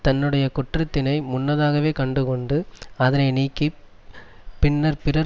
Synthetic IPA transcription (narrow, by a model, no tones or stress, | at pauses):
t̪ɐnːɯɽɐjɐkʊʈrɐt̪ːɪnɐɪmʊnːɐðaːɣɐʋeːkɐɳɖɯkɔɳɖɯɐðɐnɐɪniːkːi | pɪnːɐɾpɪrɐ